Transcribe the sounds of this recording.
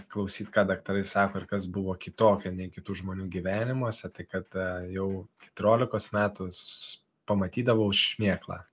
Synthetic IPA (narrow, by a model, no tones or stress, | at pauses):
klˠɐʊsʲiːt̪kɑːd̪ɐkt̪ɐɾɐɪsɑːkoːɪɾkɐsbʊʋoːkʲɪt̪oːkʲɛnʲɛɪkʲɪt̪uːʒmoːnʲuːɡʲiʋʲæːnʲɪmuɔsʲɛt̪ɐɪkɐt̪jɛʊkʲɛ̥t̪ʊɾʲoːlʲɪkoːsmʲæːt̪ʊs | pɐmɐt̪ʲiːd̪ɐʋoʊʃmʲeɛklˠɑ̰ː